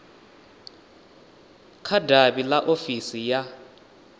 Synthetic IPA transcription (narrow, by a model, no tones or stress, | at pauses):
kʰadʱaɓilaʔofisija